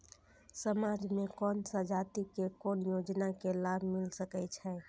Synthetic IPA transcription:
səmad͡ʒmekɔnsəd͡ʒat̪ikekonjod͡ʒnakelabʱmilsəkɛt͡ʃʰɛ

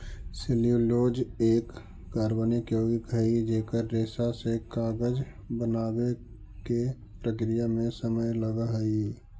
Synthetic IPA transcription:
sɪljuloːd͡ʒeːkː | aːɾbənikjoːɡikɦəid͡ʒeːkəɾːeːsasekaːɡəd͡ʒ | bənaːwe | ke | pɾəkɾijamẽsəməjləɡaɦəi

